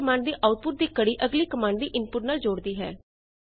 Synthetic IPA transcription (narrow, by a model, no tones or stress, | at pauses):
əmaːɳɖd̪iːʔaːʊt̪̚pʊʈ̚d̪iːkəɽiːʔəɡliːkəmaːɳɖd̪iːʔɪnpʊʈnaːld͡ʒoːɽd̪iːɦɛː